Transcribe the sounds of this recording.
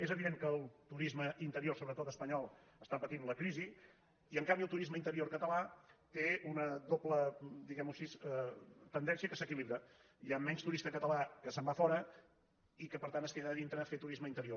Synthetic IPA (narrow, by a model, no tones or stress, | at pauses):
ezəβiðeŋkəlˠt̪uɾizməʔint̪əɾioɾsoβɾət̪ot̪əspəɲɔlˠəst̪apət̪inləkɾizi | iəŋkambiəlˠt̪uɾizməint̪əɾioɾkət̪əlat̪eunəðopləd̪iɣɛmusis | t̪ənd̪ɛnsiəkəsəkiliβɾə | iamɛɲst̪uɾist̪əkət̪əlakəsəmbafɔɾə | ikəpəɾt̪anəskeðəðint̪ɾəfet̪uɾizməint̪əɾio